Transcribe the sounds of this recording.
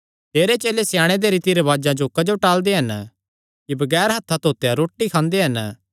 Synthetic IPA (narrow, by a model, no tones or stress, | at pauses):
t̪eːɾet͡ʃeːlesɪjaːɽ̃ed̪eɾiːt̪iɾɐʋaːd͡ʒãd͡ʒoːkad͡ʒoʈaːld̪eɦɐn | kibɐɡɛːɾɦɐt̪ʰːat̪oːt̪ejaɾoːʈːikʰãːnd̪eɦɐn